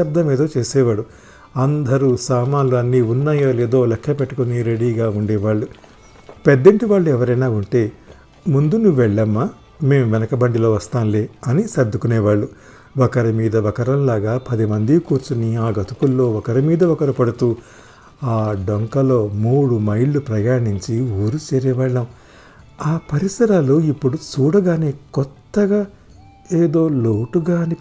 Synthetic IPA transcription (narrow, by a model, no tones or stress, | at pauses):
ɐb̚d̪ʱɐmeːd̪o̞ːt͡ʃe̞ːsɛːʋaːɽu | ɐnd̪ʱɐɾusaːmaːluɐnːiːunːaːjoːleːd̪o̞ːlɛkʃɐpeʈːukoniɾe̞ɽiːɡaːuɳɖɛːʋaːɭːu | pɛd̪ːɐɳʈiʋaːɭːuɛʋɐɾɐjnaːuɳʈe̞ː | mund̪unuʋɛɭːɐmːa | me̞ːmʋɛnɐkɐbɐɳɖilo̞ːʋɐst̪aːnleːɐnisɐb̚d̪ːukunɛːʋaːɭːu | ʋɐkɐɾɐmiːd̪ɐʋɐkɐɾɐmlaːɡaːpɐd̪imɐnd̪ikuːɾt͡ʃuniaːɡɐt̪ukulːo̞ːɔkɐɾɐmiːd̪ɐɔkɐɾɐpɐɽut̪uː | aːɖoŋkɐlo̞ːmuːɽumɐjɭːupɾɐjaːɳiɲt͡ʃiuːɾut͡ʃɛːɾɛːʋaːɭːɐm | aːpɐɾisɐɾaːloːipːuɽut͡ʃuːɽɐɡaːneːkɔt̪ːɐɡaː | eːd̪o̞ːloːʈuɡaːni